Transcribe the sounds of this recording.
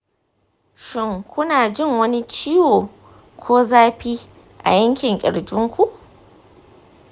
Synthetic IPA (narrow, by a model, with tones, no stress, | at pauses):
ʃɪ˦ŋkʷʊ˦naː˨d͡ʒɪ˦ŋwɐ˦ni˦t͡ʃiː˦woː˨ | kʷoː˦zaː˦ɸiː˦ | ʔa̰˨jɐ˦ŋkʲɪ˨ŋkʲʼɪ̰˨ɽd͡ʒɪ˦ŋkʷu˨ʔ